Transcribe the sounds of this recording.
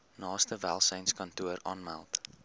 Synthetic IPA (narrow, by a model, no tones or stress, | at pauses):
nɑːstəvælˠsɛjnskɐntuəɾɑːnmæ̰lˠt